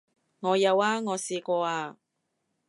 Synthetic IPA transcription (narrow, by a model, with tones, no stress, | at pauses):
ŋɔː˨˧jɐ˨˧waː˧ŋɔː˨˧siː˨˧kʷɔː˧aː˧